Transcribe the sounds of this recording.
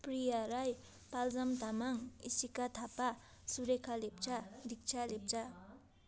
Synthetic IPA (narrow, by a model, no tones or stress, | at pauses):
pɾijaɾaj | palzamt̪amaŋḭsikat̪ʰapa | suɾekʰalep̚t͡ʃʰad̪ik̚t͡ʃʰalep̚d͡za